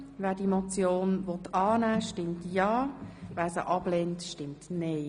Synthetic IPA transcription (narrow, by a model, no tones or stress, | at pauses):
vɛːdimɔt͡sjoːnvɔt̪ʰɑːnæːʃtɪmtjɑːvɛːsə̰ʔɑb̥lɛntʃtɪmtneɪ